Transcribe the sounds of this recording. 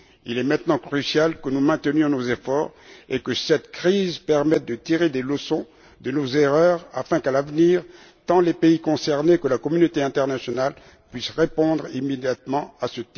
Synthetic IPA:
ḭlɛmɛ̃t̪nɑ̃kχysjalkənumɛ̃t̪ənjɔ̃nozefɔːʁekəsɛt̪kχizpɛʁmɛt̪̚d̪ət̪iʁed̪eləsɔ̃ | d̪ənozeʁœʁa̰fɛ̃kalavniʁ | t̪ɑ̃lepeikɔ̃sɛʁnekəlakɔmynot̪eɛ̃t̪ɛʁnasjɔnal | pɥisʁepɔ̃d̪ʁimed̪jat̪mɑ̃asət̪i

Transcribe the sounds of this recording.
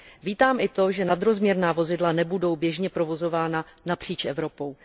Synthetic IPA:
viːt̪aːmʔɪt̪o̞ʒɛnad̪ɾo̞zmɲɛɾnaːvo̞zɪdlanɛbudo̞wbjɛʒɲɛpɾo̞vo̞zo̞vaːnanapr̝̥iːt͡ʃʔɛ̰vɾo̞po̞w

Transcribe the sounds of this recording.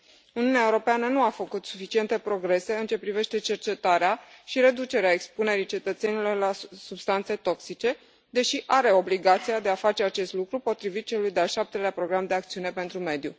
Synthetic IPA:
uniuneaeuɾo̞peanənuafəkut̪sufit͡ʃie̞nt̪e̞pɾo̞ɡɾe̞se̞ɨnt͡ʃe̞pɾive̞ʃt̪e̞t͡ʃe̞rt͡ʃe̞t̪aɾeaʃiɾe̞d̪ut͡ʃe̞ɾeaekspune̞ɾit͡ʃe̞t̪ət̪se̞nilo̞rlasubst̪ant̪se̞t̪o̞ksit͡ʃe̞ | d̪e̞ʃiʔaɾe̞o̞bliɡat̪sijad̪e̞afat͡ʃe̞at͡ʃe̞st̪lukɾupo̞t̪ɾivit̪̚t͡ʃe̞lujd̪eaʃap̚t̪e̞leapɾo̞ɡɾamd̪eak̚t̪siune̞pe̞nt̪ɾume̞d̪ju

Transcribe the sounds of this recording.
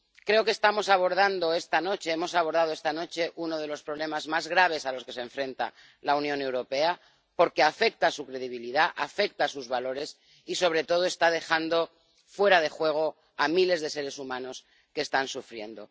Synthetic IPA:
kɾe̞o̞kest̪amo̞saβ̞o̞ɾð̞and̪o̞e̞st̪ano̞t͡ʃe̞emo̞saβ̞o̞ɾðað̞oe̞st̪ano̞t͡ʃe̞ʔuno̞ð̞e̞lo̞spɾo̞β̞le̞mazmazɣɾaβ̞e̞salo̞ske̞seɱfɾẽ̞nt̪a̰ | launjõnewɾo̞pe̞a | po̞ɾke̞afe̞k̚t̪asukɾeð̞iβ̞iliðaʔafe̞k̚t̪asuzβalo̞ɾe̞s | iso̞βɾe̞t̪o̞ð̞o̞e̞st̪að̞e̞xand̪o̞ | fwe̞ɾað̞e̞xwe̞ɣ̞o̞ | amile̞zðe̞se̞ɾe̞sumãno̞s | keːst̪ansufɾje̞̰nd̪o̞

